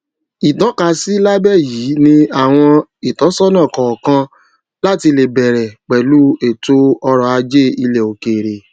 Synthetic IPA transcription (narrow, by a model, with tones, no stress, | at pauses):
i˨tɔ̃˨˦ka˧˨si˦la˦bɛ˦˨jiː˨˦nĩ˧a˦˨w̃ɔ̃˧i˨tɔ˨˦sɔ˦nã˦˨kɔ˨kã˧ | la˦ti˧le˨bɛ˨ɾɛ˨k͡pɛ˨lu˦e˦˨to˦ɔ˧ɾɔ˧˨a˧d͡ʒe˦i˧le˨o˨ke˨ɾe˨